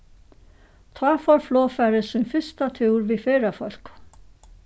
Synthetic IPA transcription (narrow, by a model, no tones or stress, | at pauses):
t̪ʰɑːfɔɾflɔːfæɾəsʏmfʏst̪at̪ʰuːɾʋifeːɾafɔl̥k